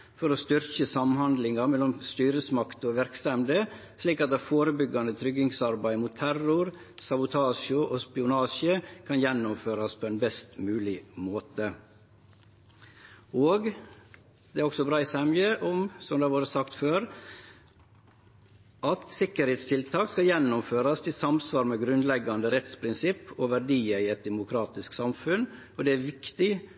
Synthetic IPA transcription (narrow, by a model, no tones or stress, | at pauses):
fɔɾoːst̪ʏɾçəsɑmhɑnd̪lɪŋɑmɛlɔmst̪yːɾəsmɑkt̪oːʋæɾksɛmd̪ə | sliːkɑt̪̚d̪ɑfoːɾəbʏɡɑnət̪ʰɾʏɡɪŋsɑɾbæɪmuːt̪ʰːæɾʊɾ | sɑbʊt̪ʰɑːʃʊʔoːspɪʊnɑːʃəkʰɑnjɛnːʊmføːɾɑspʰoːɛnbɛst̪mʉːlɪmoːt̪ə | oːɡ | d̪̥ɛæɾɔksɔbɾɑːɪsɛməʔɔmsɔmd̪ɛɑʋuːɾəsɑkt̪føːɾ | ʔɑt̪sɪkːəɾheːt̪st̪ʰɪlt̪ʰɑːkskɑjɛnːʊmføːɾɑst̪ʰɪsɑmsʋɑːɾmɛɡɾʉnlɛɡɑnd̪əɾɛt̪spʰɾɪnsɪpːoʋæɾɖiːəɪɛt̪̚d̪ɛmʊkʰɾɑːt̪ɪsksɑmfʉn | ɔd̪ɛæɾʋɪkt̪ɪ